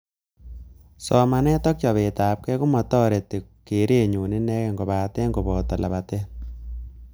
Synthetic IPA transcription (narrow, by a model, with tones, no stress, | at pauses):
sɔ˨ma˨nɛ˦tɔ˦k̚t͡ʃɔ˨βe˨ta˨p̚kɛ˦ku˦mɔ˨tɔ˦ɾe˨te˨ke˨˦ɾe˦˨ɲu˨ne˦nɛ˦kɛ˨ŋɡo˨ba˨tɛ˦ŋɡo˨bɔ˨tɔ˨la̰˨βa˨tɛ˦